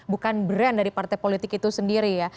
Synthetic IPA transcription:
bukanbəɾandaɾipart̪ajpolit̪ɪkit̪usəndiɾija

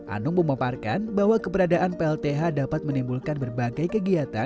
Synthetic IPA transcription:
ʔa̰nʊŋməmaparkanbaɦwakəbəɾadaʔanpeɛlt̪eɦadapat̪̚mənimbulkanbərbaɡajkəɡiat̪a

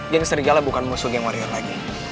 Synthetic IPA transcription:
ɡaŋsəɾiɡalabukanmusuɡaŋwaɾiarlaɡi

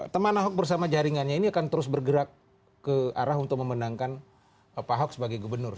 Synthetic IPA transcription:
t̪əmanaɦɔk̚bərs̬amad͡ʒaɾiŋanɲainiakant̪əɾʊsbərɡəɾakː | əa̰ɾaɦunt̪ʊk̚məmənaŋkan | paɦɔk̚səbaɡajɡubərnʊr

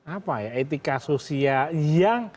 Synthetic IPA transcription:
apajaet̪ikasosiajaŋ

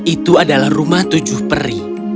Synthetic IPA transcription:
ʔit̪uadalahrumaht̪ud͡ʒʊhpəɾi

